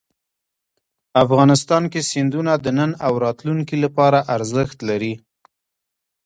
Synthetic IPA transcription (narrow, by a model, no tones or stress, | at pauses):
afɣɑnɪst̪ɑnkesɪnd̪unad̪ənənawɾɑt̪luŋkilapɑɾaʔaɾzəxt̪laɾi